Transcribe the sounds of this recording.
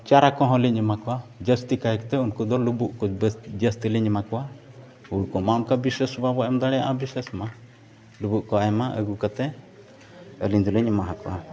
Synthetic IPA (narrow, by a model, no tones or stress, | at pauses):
t͡ʃaɾakɔ̃ɦɔ̃liɲɛmakɔwad͡ʒəst̪ikaɛkt̪ɛunkud̪ɔlubuʔkɔd͡ʒəst̪iliɲɛmakɔwa | uɽkɔmamkabisɛsbabɔʔɛmd̪aɽɛjaʔabisɛsma | lubuʔkɔajmaʔə̰ɡukat̪ɛ | əliɲd̪ulɛɲɛmaɦakɔwa̰